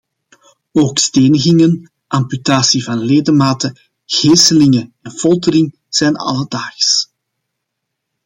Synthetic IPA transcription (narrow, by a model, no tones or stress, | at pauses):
oːksteːnəɣɪŋən | ʔɑmpytaːsivɑnleːdəmaːtə | ɣeːsəlɪŋəɛnv̥ɔlˠtəɾɪŋ | z̥ɛːnɑ̰lədaːxs